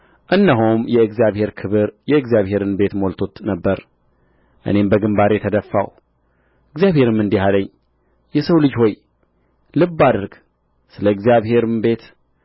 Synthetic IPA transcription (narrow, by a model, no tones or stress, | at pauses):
ʔɨnːəɦumjɛɨɡzjaβhe̞ɾkʰɨβɨɾjɛɨɡzjaβhe̞ɾɨnbe̞t̪mo̞lt̪ʰo̞t̪nəbːəɾ | ʔɨ̰ne̞mbəɡɨmbaɾjɛt̪ʰəd̪əfːa̰w | ʔɨɡzjaβhe̞ɾɨmːɨnd̪ihaləɲː | jɛsəwlɨd͡ʒho̞j | lɨbːad̪əɾɡ | sɨləɨɡzijaβhe̞ɾɨmbe̞t̪